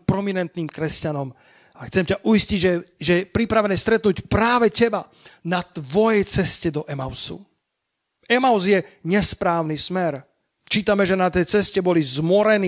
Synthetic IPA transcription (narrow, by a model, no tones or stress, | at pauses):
pɾɔminɛnt̪niːmkɾɛscanɔm | axt͡sɛmcaʔuisciɟʒɛʒɛɛpɾipɾaʋɛnɛːst̪ɾɛt̪nucpɾaːʋɛcɛba | nat̪ʋɔjɛjt͡sɛscɛd̪ɔʔɛmaʊsṵ | ɛmaʊzjɛɲɛspɾaːʊnismɛɾ | t͡ʃiːt̪amɛʒɛnat̪ɛjt͡sɛscɛbɔlizmʊɔɾɛniː